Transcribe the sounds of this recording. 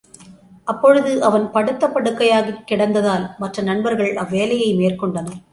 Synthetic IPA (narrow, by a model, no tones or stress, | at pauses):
ʔɐpːɔɻɯðɯʔɐʋɐnpɐɽɯt̪ːɐpːɐɽɯkːɐjaːɣɐkːɪɽɐnd̪ɐðaːlmɐʈrɐnɐɳbɐɾɣɐɭɐʋːeːlɐjɐɪmeːrkɔɳɖɐnɐ